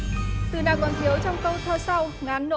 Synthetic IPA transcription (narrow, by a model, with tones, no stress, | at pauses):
t̪ɨ˨˩ɗaː˨˩kɔ˨˩nkʰi˨˦əwt͡ɕɔ˧wŋ͡mkə˧wt̪ʰəː˧sa˧wŋaː˨˦nːo̰˧